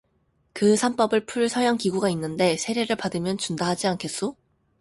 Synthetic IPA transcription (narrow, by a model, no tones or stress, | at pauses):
kɯsʰamp͈ʌbɯɭpʰuɭsʰʌɾjaŋkiɡuɡainːɯnde̞sʰe̞ɾe̞ɾɯɭpadɯmjʌnt͡ɕundaɦad͡ʑiankʰe̞s͈o